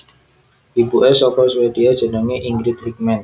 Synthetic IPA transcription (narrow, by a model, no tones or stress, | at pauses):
ʔibuʔesɔpɔswed̥iad̥ʒ̥ə̤nəŋeʔiŋɡɾɪkrik̚mɛn